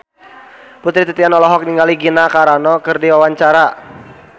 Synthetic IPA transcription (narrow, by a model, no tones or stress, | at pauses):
put̪ɾit̪it̪ianɔlɔɦɔk̚niŋɡaliɡinakaɾanɔkɨrdiwawaɲt͡ʃaɾa